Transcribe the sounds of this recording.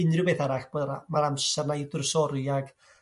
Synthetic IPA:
ɪnrjʊwbeːθaɾaɬb̥oamaɾamsɛrnadʊrsɔɾjaɡ̥

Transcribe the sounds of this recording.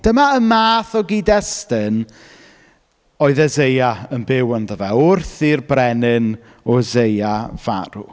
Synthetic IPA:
d̥əmaəmaːθɔɡidɛstɪn | ɔɨðɛzejaənbɪwənðəvɛʊrθirbrɛnɪn | ɔzejava̰ɾu

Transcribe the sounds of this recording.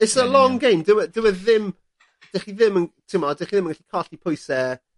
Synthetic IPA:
ɪsəlˠɔŋɡejmdɪwɛdɪwɛððɪm | d̥ɛχiðɪməntʰɪmɔdɛχiðɪmənɡaɬi̥kʰɔɬipʰɔjsɛ

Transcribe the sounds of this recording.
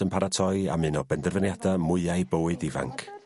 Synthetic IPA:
ənpʰaɾatʰɔja̰mɨnɔbɛndɛrvənjadamʊɨajbəwɨdiva̰ŋkʰ

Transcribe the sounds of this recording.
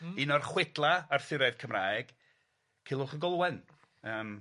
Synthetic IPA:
inɔrχwɪdlˠaːrθɪɾɛð̥kʰəmraːɡ̥ | kʰiːlˠʊχəɡɔlˠwɛn | əːm

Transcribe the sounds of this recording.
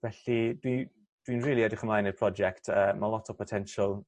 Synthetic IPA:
vɛɬid̥wi | d̥winɹiːlˠiɛdrɪχəmlˠaːjnəpʰr̥ɔd͡ʒɛktʰəːmalˠɔtʰɔpʰɔtʰɛnʃəlˠ

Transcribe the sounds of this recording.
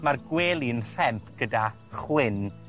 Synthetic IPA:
marɡweːlˠiənr̥ɛmpʰɡ̥əda | χwɪn

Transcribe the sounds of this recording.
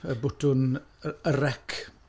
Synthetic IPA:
əbʊtʰʊnəɾɛkʰ

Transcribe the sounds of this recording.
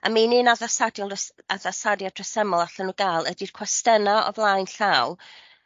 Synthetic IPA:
a̰mininaðasadjɔlsaðasadjadrɛsɛmɔlˠaɬanuːɡajlˠədir̥kʰwɛstənaɔ̰vlˠajnɬawˠ

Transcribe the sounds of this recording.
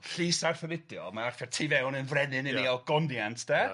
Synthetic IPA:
ɬiːsarθɔlɪdjɔ̰maarfɛrtʰivɛwnənvrɛnɨnəiɔɡ̥ɔndjantʰd̥ɛ

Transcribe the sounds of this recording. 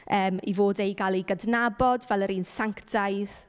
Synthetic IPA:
ʔəːmḭvoːdejɡalˠiɡədnabɔdvɛlˠəɾiːnsaŋktajð

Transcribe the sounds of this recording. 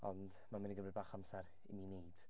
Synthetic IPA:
ɔnd | mamɪniɡəbɾɨbaːχamsɛɾ | ḭmineːd̥

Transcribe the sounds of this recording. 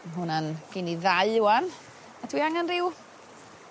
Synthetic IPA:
ɦʊnanɡ̥ɪniðaɨwan | atʰwiaŋanrɪw

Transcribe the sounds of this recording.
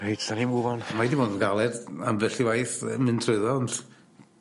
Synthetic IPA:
ejtʰanimuvɔnmajdimoːndɡalˠɛdamvɛɬiwajθəmɨntʰrɨðɔnd̥

